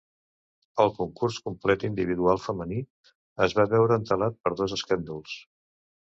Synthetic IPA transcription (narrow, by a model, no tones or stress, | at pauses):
əlˠkuŋkurskumplɛt̪ind̪iβ̞iðualˠfəməni | əzβaβɛwɾəːnt̪əlat̪̚pəɾðɔzəskand̪ulˠs